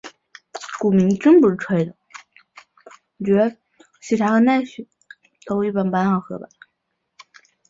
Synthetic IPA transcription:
ku˨˩mi˧˥ŋʈ͡ʂə˥ŋpu˧ʂɻ̩˥ʈ͡ʂʰwe˥ɪd̪ə˨˩˨ | t͡ɕɥɛ˧˥ | ɕi˨˩ʈ͡ʂʰa˧˥xɤ˧˥na˥˩ɪɕɥɛ˨˩˦ | t̪o˥ʊi˥˩pa˥˩npa˥nxɑ˥˩xɤ˧˥ba̰˧˩˦

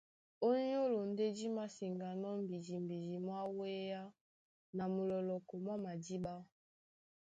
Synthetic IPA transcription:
o˦ɲ˦o˦lo˨n˦de˦di˦ma˦si˨ŋɡa˨nɔ˦m̩˨bi˨d͡ʒi˨m˨bi˨d͡ʒi˨mwa˦we˦ja˦ | na˨mu˨lɔ˨lɔ˨kɔ˨mwa˦ma˨di˦ba˦

